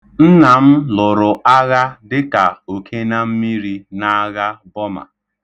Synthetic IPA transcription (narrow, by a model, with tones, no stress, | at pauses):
n̩˦na˨m̩˦lʊ˨ɾʊ˨ʔa˦ɣa˦dɪ˦ka˨o˨kʰe˦na˦m̩˦mi˦ɾi˦na˦a˦ɣa˦bɔ˦ma̰˨